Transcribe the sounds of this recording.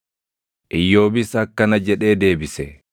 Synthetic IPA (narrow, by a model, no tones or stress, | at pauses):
ʔɪjːo̞ːbɪsɐkːɐnɐd͡ʒɛᶑe̞ːd̪e̞ːbɪsɛ